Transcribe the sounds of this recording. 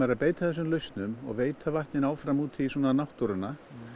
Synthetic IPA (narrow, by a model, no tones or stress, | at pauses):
aɾapeːjt̪aθɛs̬ʏmlœɥst̪nʏmɔ̰ɣveːjt̪ʰavaht̪nɪnaːwfɾamuːt̪isɔːnanawht̪uɾʏnːa